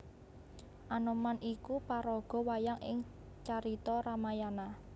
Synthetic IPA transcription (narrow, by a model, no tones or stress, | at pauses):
ʔanɔmanʔikupaɾɔɡ̥ɔ̤wajaŋʔɪ̰ŋ | t͡ʃaɾit̪ɔɾamajana